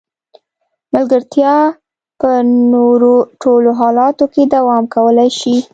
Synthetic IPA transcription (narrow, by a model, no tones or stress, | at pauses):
malɡəɾt̪jɑ | pənoɾoʈoloɦɑlɑt̪oked̪awɑmkawəlajʃi